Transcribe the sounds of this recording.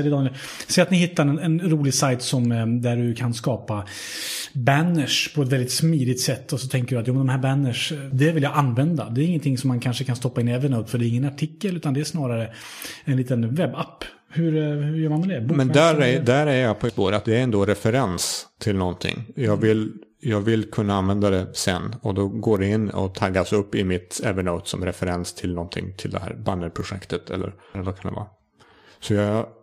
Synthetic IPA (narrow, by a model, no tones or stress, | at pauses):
d̪ɪd̪ɑː | sɛːat̪nɪhɪt̪ːaɾɛnɛnɾuːlɪɡsajt̪sɔmd̪æɖɵkʰanskɑːpa | bænəʂpʰɔɛt̪vɛld̪ɪt̪smiːd̪ɪɡt̪sɛt̪ːɔsɔt̪ʰɛŋkəɖɵat̪juːmɛnd̪ɔmhɦæːɾbænːəʂd̪ɛvɪljaʔanvɛnd̪a̰d̪ɛːɾɪŋːənt̪ʰɪŋsɔmːankʰanʂəkʰanst̪ɔpːaɪnɛvənaɵpːfœɖɛɾɪŋːənaʈʰɪkːəlʉ̟ːt̪and̪ɛæʂnɑːɾaɾə | ɛnliːt̪ənvɛbːapː | hɵɾhɵjœːɾmanmɛd̪ɛbumɛnd̪æɾɛd̪æɾæjəjɑpʰɔspoːɾat̪̚d̪ɛæɾɛnd̪oːɾɛfɛɾɛnst̪ʰɪlnɔnt̪ʰɪ̰ŋːjɑːɡvɪl | jɑːɡvɪlːkʰɵnːaanvɛnd̪ad̪ɛsɛnːɔd̪ɔɡoːɖɛɪnːɔ̰t̪ʰaɡːasɵpːɪmɪt̪ɛvəɳəʊt̪sɔ̰mɾɛfɛɾɛnst̪ʰɪlnɔnt̪ʰɪ̰ŋt̪ʰɪld̪ɛhæ̰ːɾbanːəɾpʰɾʊɧɛ̰kt̪ət̪ʰɛ̰lːʔə̰ɾɛnd̪okʰand̪ɛ̰vɑ̰ːɾ | sɔjɑ